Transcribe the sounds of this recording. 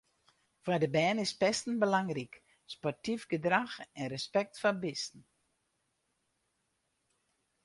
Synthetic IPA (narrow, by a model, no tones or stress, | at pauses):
fadəbɛːnɪspɛstn̩bəlaŋrik | spɔrtifɡədraxɛnrəspɛk̚tfabɪstn̩